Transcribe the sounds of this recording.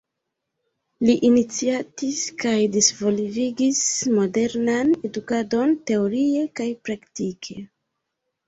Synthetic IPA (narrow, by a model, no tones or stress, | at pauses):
liʔinit͡siatiskajdisvo̞liviɡismo̞de̞ɾnane̞dukado̞nte̞o̞ɾie̞kajpɾaktikʰe̞